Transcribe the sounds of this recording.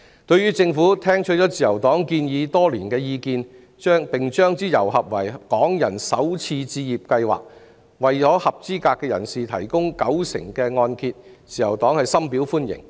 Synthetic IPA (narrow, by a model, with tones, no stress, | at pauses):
t̪ɵ˧ɥyː˥t͡sɪ˧ŋfuː˨˥t̪ʰɛː˥ŋt͡ʃʰɵ˥t͡sɔː˨˥t͡siː˨jɐ˨˩wt̪ɔː˨˥ŋkiː˧njiː˨˧t̪ɔː˥liː˨˩nkɛː˧jiː˧kiː˧n | t͡ʃœː˥ŋpɪ˨˩ŋt͡ʃœː˥ŋt͡siː˥jɐ̰˨˩wɦɐ˨p̚wɐ̰˨˩jkɔː˨˥ŋjɐ̰˨˩nsɐ˨˥wt͡sʰiː˧t͡siː˧jiː˨p̚kɐ˧jwa̰ː˨k̚ | wɐ˨jt͡ʃɔː˨˥hɐ˨p̚t͡siː˥kaː˧kːɛː˧jɐ˨˩nsiː˨t̪ʰɐ̰˨˩jkʊ˥ŋkɐ˨˥wsɪ̰˨˩ŋkɛː˧ŋɔː˧nkʰi˧t̚t͡siː˨jɐ˨˩wt̪ɔː˨˥ŋhɐ˨jsɐ˥mpiː˨˥wfuː˥njɪ̰˨˩ŋ